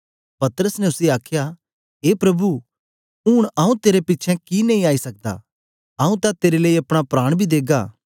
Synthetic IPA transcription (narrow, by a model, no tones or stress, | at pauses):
pɐt̪ɾəsneʊsiaːkʰja | ɦeːpɾɐbu | uːɽ̃aːũt̪eːɾepɪːt͡ʃʰɛ̃kinɛ̃ĩaːisɐk̚d̪a̰ː | aːũt̪ãt̪eːɾeleiɐpɽ̃apɾaːɽ̃bʱid̪eːɡaː